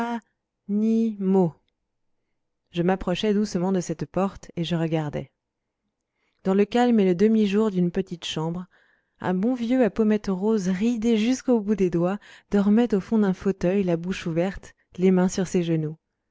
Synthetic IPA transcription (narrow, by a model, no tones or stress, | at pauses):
a | nimo | ʒəmapχɔʃɛd̪usəmɑ̃d̪əsɛt̪pɔʁt̪eʒəʁəɡaʁd̪ɛ̰ | d̪ɑ̃ləkalmeləd̪əmiʒuʁd̪ynpət̪it̪ʃɑ̃bʁ | ɛ̰̃bɔ̃vjøapɔmɛt̪ʁozʁid̪eʒyskobud̪ed̪wad̪̥ɔʁmɛt̪ofɔ̃d̪ɛ̃fot̪œjlabuʃuvɛʁt̪ | lemɛ̃syʁseʒənu